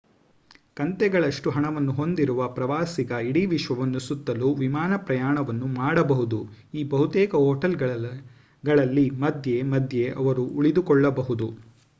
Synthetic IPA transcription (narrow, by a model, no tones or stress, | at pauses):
kɐnt̪ɛɡɐɭɐʂʈuɦɐɳɐʋɐnːuɦo̞nd̪iɾuʋɐpɾɐʋaːsiɡɐiɽiʋiʃʋɐʋɐnːusut̪ːɐluʋimaːnɐpɾɐjaːɳɐʋɐnːumaːɽɐbɐɦud̪u | iːbɐɦut̪ɛːkɐɦoːʈɐlɡɐ | ɡɐɭɐlːimɐd̪ʱje̞mɐd̪je̞ʔɐʋɐɾuuɭid̪ukɔɭːɐbɐɦud̪u